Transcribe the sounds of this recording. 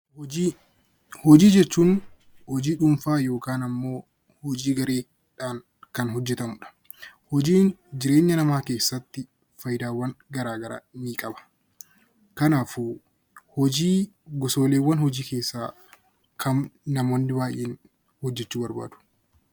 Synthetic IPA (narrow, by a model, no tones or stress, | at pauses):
i | hɔd͡ʒiːd͡ʒɛt͡ʃːuːn | hɔd͡ʒiːᶑʊmfaːjo̞ːkaːnɐmːo̞ː | hɔd͡ʒiːɡɐɾeː | ᶑaːn | kɐnɦɔd͡ʒːɛt̪ɐmʊᶑɐ̥ | hɔd͡ʒiːnd͡ʒɪɾe̞ːɲːɐnɐmaːke̞ːsːɐt̪ːɪ | fɐjɪd̪aːwːɐnɡɐɾaːɡɐɾa̰ːmiːkʼɐbɐ̥ | kɐnaːfu | hɔd͡ʒiː | ɡɔso̞ːleːwːɐnhɔd͡ʒiːke̞ːsːaː | kʰɐnnɐmoːnːɪbaːjʔeːn | hɔd͡ʒːɛt͡ʃːuːbɐɾba̰ːd̪̥ʊ̥